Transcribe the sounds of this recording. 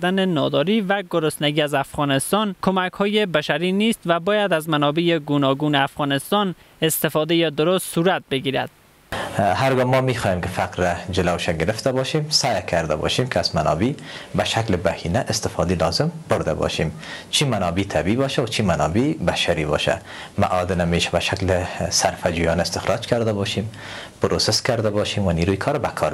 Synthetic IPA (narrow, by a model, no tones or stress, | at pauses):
ɾd̪anenɒd̪ɒɾiːvæɡʊɾʊst̪naɡiːazafɣɒːnɪst̪ɒnkʰomakhɒːjebaʃaɾiniːst̪væbɒːjad̪azmanɒbejeɡunɒɡuːneafɣɒnɪst̪ɒn | est̪ɪfɒd̪ejed̪ʊɾost̪suɾat̪̚beɡiːɾa̰d̪̥̚ | haɾɡɔmɒmixɔːjemkɪfaqɾad͡ʒɪlawʃaɡɪɾɪft̪abɒʃimsajkʰaɾd̪a̰bɔ̰ʃimkʰazmanɒ̰bi | baʃaklɪbahinaʔɪst̪ɪfɑd̪elɒzɪmbʊɾd̪a̰bɔ̰ʃim | t͡ʃʰimanɒbit̪ʰabiibɒʃawat͡ʃʰimanɒbebaʃaɾiβɔ̰ʃa̰ | ma̰ʔɒd̪ɪnameːʃḁbaʃaklɪsaɾfad͡ʒujɔnaɪst̪ɪxɾʔɑd͡ʒkʰaɾd̪abɔʃim | pʊɾoseskaɾd̪abɔʃimwaniːɾujikʰɒɾabakʰɒɾ